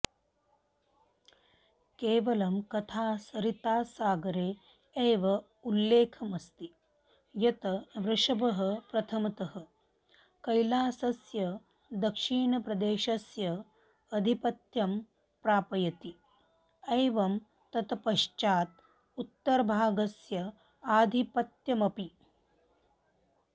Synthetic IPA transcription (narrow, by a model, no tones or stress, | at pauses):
keːʋɐlɐmkɐt̪ʰaːsɐɾit̪aːsaːɡɐɾeː | eːʋɐ | ulːeːkʰɐmɐst̪i | jɐt̪ɐʋɾɪʂɐbɐɦɐpɾɐt̪ʰɐmɐt̪ɐɦɐ | kɐjlaːsɐsjɐ | d̪ɐkʂiːɳɐpɾɐd̪eːʃɐsjɐː | d̪ʱipɐt̪jɐm | pɾaːpɐjɐt̪i | ɐjʋɐm | t̪ɐt̪ʰɐpɐʃt͡ʃaːt̪̚ | ut̪ːɐɾɐbʱaːɡɐsjɐ | aːd̪ʱipɐt̪jɐmɐpi